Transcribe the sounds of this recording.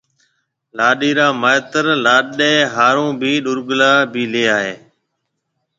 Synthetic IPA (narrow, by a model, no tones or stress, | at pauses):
laːɗiːɾaːmaːjt̪əɾlaːɗeːɦaːɾõːbʱiːɗʊɾɡlaːbʱiːleːaːɦeː